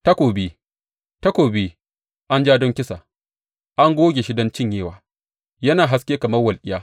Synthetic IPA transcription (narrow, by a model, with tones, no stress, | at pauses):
tɐ˦kʷoː˨bi˦ | tɐ˦kʷoː˨biː˦ | ʔa˦nd͡ʒaː˦dɔ˦ŋkʲɪ˦sa̰˨ | ʔa˦ŋɡʷoː˦ɡʲe˨ʃɪ˦dɐ˦nt͡ʃɪ˦˨ɲjeː˦˨waː˨ | jɐ˦naː˨ɦa˦skʲeː˦kɐ˨mɐ˦rwɐ˨lʔʲɪ˦jaː˦